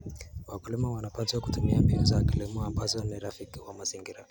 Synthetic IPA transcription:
wakulimawanapanziwakutumiambiuzakilimɔambazɔniɾafikiwamaziŋɡiɾa

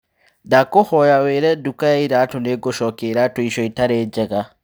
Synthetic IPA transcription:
dakohɔjaweːɾɛdukajaiɾatoneɡoʃɔkeiɾatoiʃɔitaɾed͡ʒɛɣa

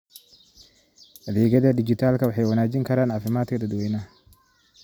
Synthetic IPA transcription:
hɐðɛːɣɐðɐd̪ɪd͡ʒɪt̪ʰaːlkʰɐwɑħɑjwɐnaːd͡ʒɪŋkʰɐɾaːnʕɑːfɪmaːd̪kʰɐd̪ɐd̪wɛjnɐ

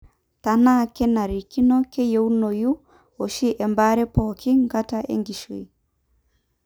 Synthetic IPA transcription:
tanakɛnaɾikinokejewnoju | oʃiʔɛmbaɾɛpɔkiŋɡataʔḛŋɡiʃṵj

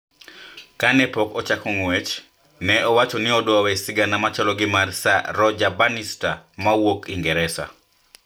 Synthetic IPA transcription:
kanɛpɔkɔt͡ʃakɔŋwɛt͡ʃ | nɛʔɔwat͡ʃɔnɪɔdwawɛsɪɡanamat͡ʃɔlɔɡɪmarsaɾɔd͡ʒabanistamawokiŋɡɛɾɛsa̰

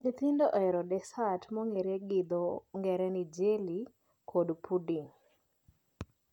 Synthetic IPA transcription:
det̪indɔʔɔɛɾɔdɛsatmɔŋeɾeɡɪd̪ɔŋɡɛɾɛnid͡ʒeli | kʰodpʰudiŋ

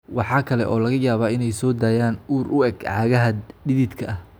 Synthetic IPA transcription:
wɑħɑːkʰɐlɛ̰ʔɔːlɐɣɐjaːβaːɪnɛjsɔːd̪aːjaːnuːrʔʊɛɡʕɑːɣɐɦɐɖɪðɪd̪kʰɐʔɐh

